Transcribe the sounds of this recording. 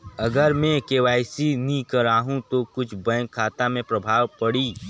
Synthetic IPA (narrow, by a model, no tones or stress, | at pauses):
ɐɡəɾmẽkeːʋaːɪsinĩkɐɾaːɦũt̪okʊt͡ʃʰbɛ̃ːŋkʰːaːt̪amẽpɾɐbʱaːwpɐɽiː